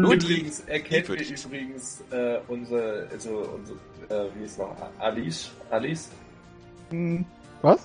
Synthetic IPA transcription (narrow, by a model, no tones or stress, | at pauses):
lʊbʁiɡŋ̩sʔɛɐkʰɛntiːɐʔyːbʁɪɡŋ̩sʔɛːʔʊnzʁəʔa̰lzoʔʊ̰nzə | ʔɛːviːhɪsnɔχʔa̰ʔa̰lisʔalis | m̩h̩ | vas